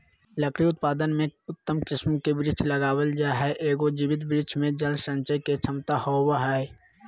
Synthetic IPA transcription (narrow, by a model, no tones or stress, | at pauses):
ləkʰɽiʊt̪paːd̪ənmẽʊt̪ːəmkɪsmkebɾɪt͡ʃʰləɡaːwəld͡ʒaːɦɛʔeːɡod͡ʒiwɪt̪bɾɪt͡ʃʰmẽd͡ʒəlsə̃nt͡ʃəjket͡ʃʰəmt̪ahowaɦɛɛ